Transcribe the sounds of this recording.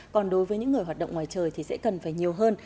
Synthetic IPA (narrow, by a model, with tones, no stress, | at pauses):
kɔ˨˩nɗo˨˦jvəː˨˦jɲɨ̰˧˥ŋː˨˩əjɦa˨˩t̚ɗə̰˧˨wŋ͡mŋwaː˨˩jt͡ɕəː˨˩jt̪ʰi˨˩sɛ̰˧˥kə˨˩nfaː˧˩jɲi˨˩əwɦəː˧n